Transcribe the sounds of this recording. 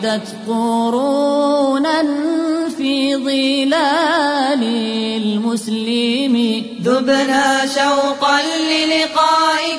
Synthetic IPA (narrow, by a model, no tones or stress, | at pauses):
d̪at̪qoɾuːnanfiːðˤɨlaːlɪlmʊslɪmɪ | ðʊbnaːʃawqanːɪlɪqɑːʔɪ